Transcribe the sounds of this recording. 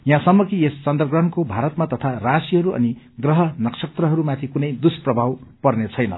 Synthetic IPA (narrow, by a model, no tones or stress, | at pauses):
jãsʌmːʌkiest͡sʌnd̪rʌɡrʌɳkobʱaɾʌt̪mat̪ʌt̪ʰarasiɦʌɾuʌ̰ni | ɡrʌɦʌnʌksʌk̚t̪rʌɦʌɾumat̪ʰikunʌjd̪usprʌbʱawpʌrnet͡sʰʌjnʌ̰